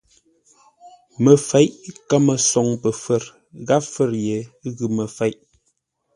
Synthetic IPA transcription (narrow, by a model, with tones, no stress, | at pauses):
mə˨fɛ˨˦ʔka˦mə˨sɔ˨ŋpə˨fə˦˨ɾ | ɣa˦fə˦˨ɾje˨ɣʉ˨mə˨fɛ˨˦jʔ